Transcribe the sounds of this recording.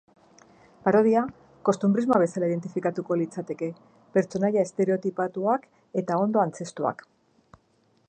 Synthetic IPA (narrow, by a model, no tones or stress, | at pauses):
paɾo̞ð̞ia | ko̞st̪umbɾizmoaβ̞e̞salaið̞e̞nt̪ifikat̪uko̞lit͡sat̪e̞ke̞ | pe̞ɾt͡so̞naʎae̞st̪e̞ɾe̞o̞t̪ipat̪uak | e̞t̪ao̞nd̪o̞ant͡se̞st̪ua̰k